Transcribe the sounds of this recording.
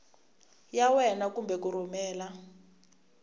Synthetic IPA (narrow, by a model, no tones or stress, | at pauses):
jawɛnakumbɛkuɾumɛːla